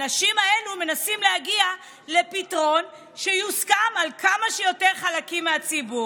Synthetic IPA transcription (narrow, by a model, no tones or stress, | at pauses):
naʃimae̞lume̞nasimlehaɡia | le̞pitʁo̞n | ʃejuskamalkʰamaʃejo̞teʁχalakimːeat͡sibu